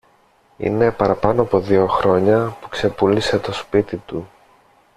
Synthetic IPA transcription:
ḭne̞pɐɾɐpɐno̞ɐpo̞ðio̞xɾo̞ɲɐpu̥kse̞pulise̞t̪o̞spit̪it̪u

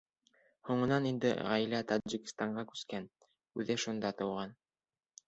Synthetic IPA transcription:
huɴɤ̆nɑnind̪ɘ̰ʁɑjlæt̪ɑʒikʲɪ̥̆st̪ɑɴɢɑkʉ̥skæn | ʉðɘʃund̪ɑt̪ɤ̆wʁɑn

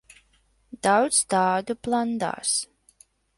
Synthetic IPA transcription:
d̪̥awd̪sd̪aːd̪uplˠand̪a̰ːs

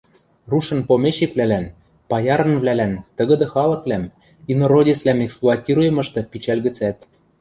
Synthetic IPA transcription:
ruʃɤ̆npomʲeɕekvlælæn | pɑjɑɾɤ̆nvlælænt̪ə̆ɣɤ̆d̪ɤ̆xɑlɤ̆klæm | inoɾodʲeslæmeksplˠuɑtʲiɾujɤ̆mɤ̆ʃt̪ɤ̆pit͡ɕælɣɘ̆t͡sæt̪̚

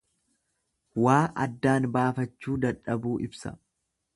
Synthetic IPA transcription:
waːʔɐ̰d̪ːaːnbaːfɐt͡ʃːuːd̪ɐᶑɐbuːʔɪbsɐ̰

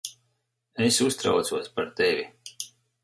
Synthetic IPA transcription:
esust̪ɾa̰wt̪suɔspaɾt̪evi

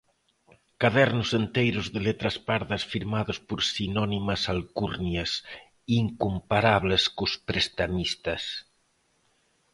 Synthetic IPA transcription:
kaðɛɾnusent̪ejɾozðelet̪ɾaspaɾðɐsfiɾmaðospoɾsinɔnimasalkuɾnjas | iŋkumpaɾaβleskospɾest̪amist̪ɐs

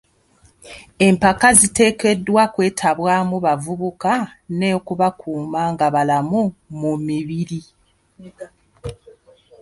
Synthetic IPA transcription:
e̞mpakazite̞ːke̞dwakwe̞ːtʰaβwaːmuβavuβukane̞ːkuβakuːmaːŋɡaβalamumumiβiɾi

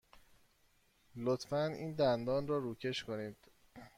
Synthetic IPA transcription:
lot̪fænḭːnd̪ænd̪ɒːnrɒːɾuːcʰe̞ʃko̞niːd̪̥

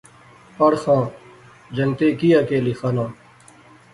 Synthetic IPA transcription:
əɽxãː | d͡ʒənt̪eːkijakeːlixʰanãː

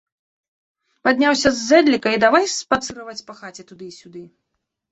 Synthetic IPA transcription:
pad̪ʲnʲawsʲɐzːɛd̪lʲikɐid̪avajspat̪sɨɾɐvɐt͡sʲpɐxat͡sʲɛt̪ud̪ɨisʲud̪ɨ

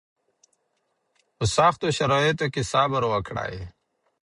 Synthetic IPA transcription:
usaːxt̪oɕɐɾoːjet̪ekisaːbɐɾoɐkʰɽa̰ːḛ

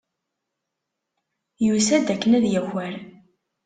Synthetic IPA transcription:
jusæd̪ækːənæðjæwæɾ

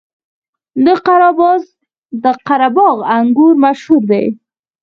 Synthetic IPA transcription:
d̪əqaɾɑbɑz | d̪əqaɾabɑɣaŋɡuɾmaʃhuɾd̪a̰j

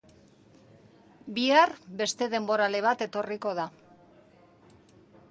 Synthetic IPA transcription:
biarbe̞st̪e̞ðe̞mbo̞ɾale̞β̞at̪e̞t̪o̞riko̞ð̞a

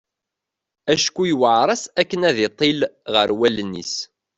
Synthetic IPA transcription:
æʃkːujwəʕɾˤɑsækːənæðɪt̪ˤːilʁə̰ɾwælənːḭs

